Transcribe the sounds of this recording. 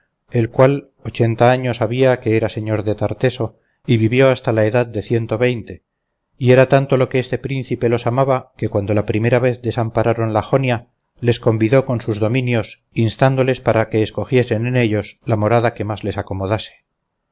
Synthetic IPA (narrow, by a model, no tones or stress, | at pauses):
e̞lkwal | ot͡ʃe̞nt̪aaɲo̞saβiake̞eɾase̞ɲo̞ɾðe̞t̪aɾt̪e̞so̞ | iβiβjo̞ast̪alaeðaðd̪e̞θje̞nt̪o̞βejnt̪e̞ | ie̞ɾat̪ant̪o̞lo̞keest̪e̞pɾin̟θipe̞lo̞samaβakekwand̪olapɾime̞ɾaβe̞θd̪e̞sampaɾaɾo̞nlaxo̞nja | le̞sko̞mbiðo̞ko̞nsuzðo̞mĩnjo̞s | inst̪and̪o̞le̞spaɾake̞ːsko̞xje̞se̞nene̞ʎo̞slamo̞ɾaðake̞mazle̞sako̞mo̞ðase̥